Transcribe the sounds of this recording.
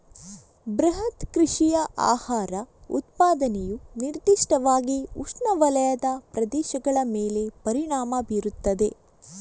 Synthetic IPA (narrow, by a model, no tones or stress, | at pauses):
bɾɐɦɐt̪kɾiʂijɐʔa̰ːhaːɾɐṵt̪̚paːd̪ɐnɛjuniɾd̪iʂʈɐʋaːɡiuʂɳɐʋɐlɐjɐd̪ɐpɾɐd̪ɛːʃɐɡɐɭɐmeːle̞pɐɾiɳaːmɐbiːɾut̪ːɐd̪e̞